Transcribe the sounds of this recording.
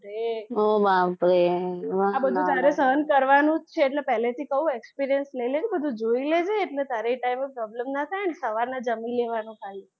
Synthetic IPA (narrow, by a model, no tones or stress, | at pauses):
ɾeɦobapɾeaabəd̪ʱũt̪aɾesəɦənkəɾʋanũt͡ʃʰeːʈlepɛɦlet̪ʰikəũekspiɾijənsləiled͡ʒebəd̪ʱũd͡ʒoiled͡ʒeːʈlet̪aɾeiʈaimepɾɔbləmnat̪ʰajənesəʋaɾnad͡ʒəmileʋanũkʰali